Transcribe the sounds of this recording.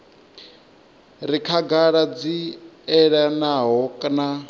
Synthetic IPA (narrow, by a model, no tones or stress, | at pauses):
ɾikʰaɡaɺad͡ziɛɺanaɦɔkʼna